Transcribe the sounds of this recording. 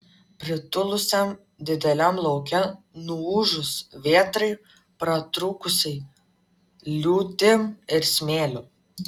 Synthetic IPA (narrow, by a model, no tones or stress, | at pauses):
pʲɾʲɪt̪ʊlˠʊsʲɛm | d̪ʲɪd̪ʲɛlʲɛmlˠɐʊkʲɛ | nuuːʒʊsʋʲeɛt̪ɾɐɪ | pɾɐt̪ɾuːkʊsʲɛɪ | lʲuːt̪ʲɪmɪɾsʲmʲeːlʲʊ